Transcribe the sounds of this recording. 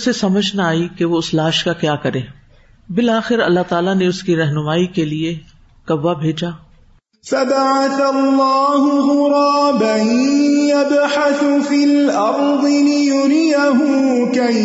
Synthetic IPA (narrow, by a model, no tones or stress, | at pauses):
sesɐməd͡ʒʱnaaːikeʋoʊslaːʃkakjaːkɐɾẽː | bɪlaːxɪɾɐ̰lːat̪aːlaneʊskiɾɛɦnʊmaːikelie | kɐbːabʱeːd͡ʒaː | fabaʕaθalːɑːɦʊɣʊɾˤɑːbaɦijabħaθʊfiːlʔɑɾ | d̪ˤɨlɪjʊɾɪjaɦʊː | kaj